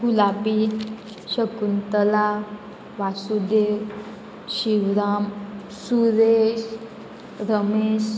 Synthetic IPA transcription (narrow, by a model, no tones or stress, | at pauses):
hulapi | ɕəkunt̪əla | ʋasud̪e | ɕiʋɾam | suɾeɕ | ɾəmeɕ